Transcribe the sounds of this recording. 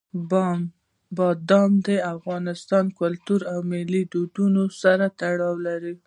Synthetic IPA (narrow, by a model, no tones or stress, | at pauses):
b | bɑd̪ɑmd̪əafɣɑnɪst̪ɑnkʊlt̪uɾawmɪlid̪ud̪unosaɾat̪aɽɑwlaɾi